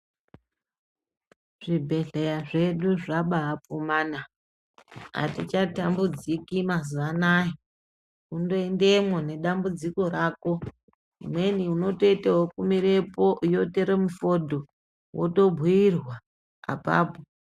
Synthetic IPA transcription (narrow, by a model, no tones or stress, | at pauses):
ʐ̥ibʱe̞ɮejaʐe̞ɗuʐaɓaːpumaːna | a̰tit͡ʃatambud͡zikimazuʋanaje | undo̞ende̞mwone̞ɗambud͡ziko̞raːko | umwe̞niuno̞to̞iteɦokumiɾe̞po̞jo̞teɾemufo̞dʱo | wʔo̰to̞bʱuirwa | a̰pa̰ːpo